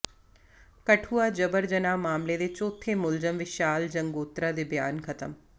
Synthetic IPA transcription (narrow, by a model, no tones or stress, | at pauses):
kɐʈʰuːad͡ʒɐbəɾd͡ʒɐnaːmaːmled̪et͡ʃoːt̪ʰemʊlzəmʋɪʃaːld͡ʒɐŋɡoːt̪ɾad̪ebja̰ːnkʰɐt̪ə̰m